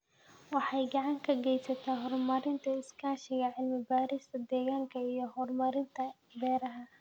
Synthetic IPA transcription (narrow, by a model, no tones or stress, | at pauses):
wɑħɑjɡɑʕɑŋkʰɐɡɛjsɐt̪ʰaːɦɔrmɐɾɪnt̪ʰɐɪskʰaːʃɪɣɐʕɪlmɪbaːɾɪst̪ʰɐd̪ɛːɣaːŋkʰɐijɞɦɔrmɐɾɪnt̪ʰɐ | bɛːɾɐɦɐ